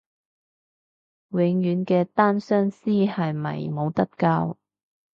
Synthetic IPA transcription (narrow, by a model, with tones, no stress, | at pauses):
wɪ˨˧ŋjyː˨˧nkɛː˧t̪aː˥nsœː˥ŋsiː˥hɐ˨jmɐ̰˨˩jmo˨˧wt̪ɐ˥t̚kaː˧w